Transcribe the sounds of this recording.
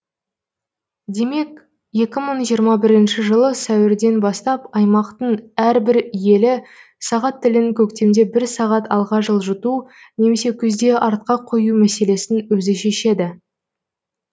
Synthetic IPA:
d̪e̞me̞k | je̞kʲɪməɴʒijəɾmɑbɪɾɪnʃɪʒəlˠəsæwɪɾd̪e̞nbɑst̪ɑpɑjmɑqt̪əɴæɾbɪɾje̞lɪ | sɑʁɑt̪ʰːɪlɪnɪkʲʰɵkt̪e̞md̪e̞bɪɾsɑʁɑt̪ɑlˠʁɑʒəlˠʒʊt̪u | ne̞me̞se̞kʲʰɵzd̪e̞ʔɑɾt̪̚qɑqʰojumæse̞le̞sɪnwɵzɪʃe̞ʃe̞d̪ɪ

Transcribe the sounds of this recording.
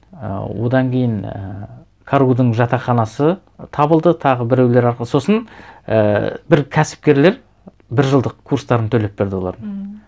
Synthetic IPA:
ə̰wo̞̰d̪ɑŋkʲʰe̞jɪnə̰ | kʰaɾud̪əɴʒɑt̪ɑχɑnɑsə | t̪ʰɑbəlˠd̪ət̪ʰɑʁəbɪɾewle̞ɾɑɾqlˠəso̞sənəbɪɾkʲʰæsɪ̥p̚kʲe̞ɾle̞ɾ | bɪɾʒəlˠd̪əqkʰːuɾst̪ɑɾənt̪ʰɵle̞p̚be̞ɾd̪ɪwo̞lˠɑɾən

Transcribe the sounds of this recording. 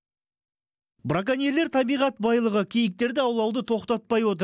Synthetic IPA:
bɾak̬anelːe̞ɾt̪ʰɑbijʁɑt̪̚bɑjlˠəʁəkʲʰijɪk̚t̪e̞ɾd̪ɪɑwlˠɑwd̪ət̪ʰo̞qt̪ɑt̪̚pɑjwo̞t̪̬ə

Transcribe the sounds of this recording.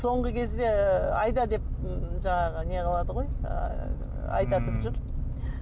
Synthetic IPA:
so̞ɴʁəkʲʰe̞zd̪e̞ɑjd̪ɑd̪e̞p̚ʒɑɴɑʁəne̞qʰɑlˠɑd̪əʁo̞j̰ | ɑ̰jt̪ɑt̪əpʒʏɾ

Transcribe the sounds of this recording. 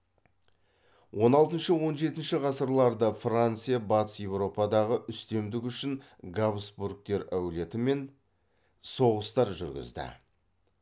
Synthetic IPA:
wo̞nɑlˠt̪ənʃəwo̞nʒe̞t̪ɪnʃɪʁɑsəɾlˠɑɾd̪əfrant̪sɨjabɑt̪əsje̞wɾo̞pɑd̪ɑʁəʔʏst̪e̞md̪ɪkʲʏʃɪn | ɡabsburk̚t̪e̞ɾæwle̞t̪ɪme̞n | so̞ʁəst̪ɑɾʒʏ̰ɾɡʲɪ̰zd̪ɪ̰

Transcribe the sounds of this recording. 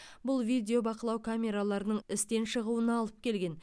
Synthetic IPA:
bʊlˠvʲijd̪ʲe̞o̞bɑqəlˠɑwkʰamʲe̞ɾalˠɑɾənəɴɪst̪e̞nʃəʁuənɑlˠəp̚kʲe̞lɡʲe̞n

